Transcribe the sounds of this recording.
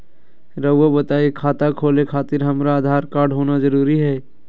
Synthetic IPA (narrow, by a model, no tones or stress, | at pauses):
ɾəʋobɐt̪aːekʰaːt̪akʰoːlekʰaːt̪ɪɾɦɐmɾaːd̪ʱaːɾkaːɾɖɦoːnazɐɾuːɾiɦɛː